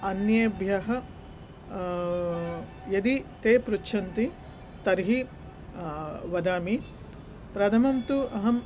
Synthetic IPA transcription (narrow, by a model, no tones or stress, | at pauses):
ɐnjebʱjɐɦɐ̆ | jɐd̪it̪eːpɾutːʃʰɐnt̪i | t̪ɐɾɦi | ʋɐd̪aːmi | pɾɐt̪ʰɐmɐmt̪uɐɦɐm